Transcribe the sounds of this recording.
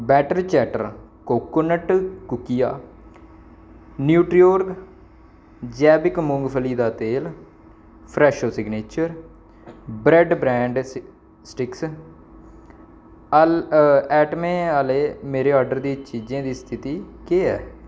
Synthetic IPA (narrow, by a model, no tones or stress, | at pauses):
bɛːʈəɾt͡ʃɛːʈə̰ɾ | koːkʊnəʈkʊkijaː | njuːʈɾijoːɾɡ | d͡ʒɛːbɪkmʊŋɡpʰəliːd̪aːt̪eːl | pʰɾɛːʃoːsɪɡneːt͡ʃəɾ | bɾɛɖbɾɛ̃ːɳɖ | sʈɪks | ɛːʈmẽːaːleːmeːɾeːɔːɾɖəɾd̪iːt͡ʃiːd͡ʒẽːd̪iːst̪ʰɪt̪iːkeːɛː